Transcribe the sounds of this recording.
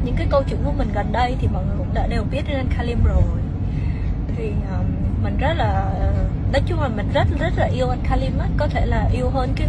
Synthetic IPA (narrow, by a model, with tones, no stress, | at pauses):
ɲɨ̰˧˥ŋkaː˨˦jkə˧wt͡ɕɨ̰˧˨ŋku˧˩əmï˨˩ŋ̟ɣa˨˩nɗə˧jt̪ʰi˨˩ɓa˨˩n˨˩kʊ̰˧˥ŋ͡mɗa̰ː˧˥ɗe˨˩wɓi˦˥ət̚ɗe˧nʔa˧nkʰaː˧li˧mzo˨˩j | vʰi˨˩ʔəː˨˩mmï˨˩ŋ̟zə˦˥t̚laː˨˩ʔəː˨˩ɗɔ˨˦t͡ɕʊ˧˦ŋ͡mlaː˨˩mï˨˩ŋ̟zə˦˥t̚zə˦˥t̚laː˨˩ʔi˧əwʔa˧nkʰaː˧li˧mʔaː˨˦˥kɔ˨˦t̪ʰe˧˩laː˨˩ʔi˧əwɦəː˧nkaː˨˦